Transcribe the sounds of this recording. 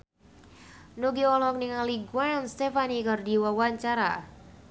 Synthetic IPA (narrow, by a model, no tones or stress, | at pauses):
nuɡiɔlɔɔk̚niŋaliɡwanst̪ɛfanikərdiwawaɲt͡ʃaɾa̰